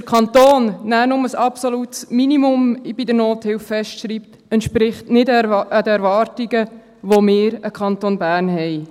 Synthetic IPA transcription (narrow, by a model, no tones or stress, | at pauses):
əɾkʰɑnt̪oːnːæːnʊməsɑpsolut̪sminimʊmɪb̥idəɾnoːthɪwfːɛʃtʃɾiːp̚t | ɛntʃpɾɪχtnɪdədɛɾʋɑːrtiɡə | ʋomɪːɾəkʰɑntonbæːrnɦɛɪ